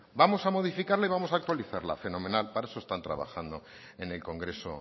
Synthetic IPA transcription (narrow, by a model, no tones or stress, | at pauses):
bamo̞samo̞ð̞ifikaɾlaiβamo̞sak̚t̪waliθaɾla̰fe̞no̞mẽ̞nalpaɾaesoest̪ant̪ɾa̰βa̰xand̪o | ene̞lko̞ŋɡɾe̞so̰